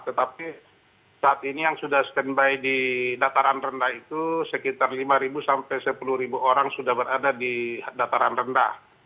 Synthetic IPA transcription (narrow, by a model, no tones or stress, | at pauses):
t̪ət̪api | saːt̪inijaŋsudahsə̥kənbajdidat̪aɾanrəndahit̪usəkit̪arlimaɾibusampɛjsəpuluhɾibuʔoɾaŋsudahbəɾadadidat̪aɾanrəndah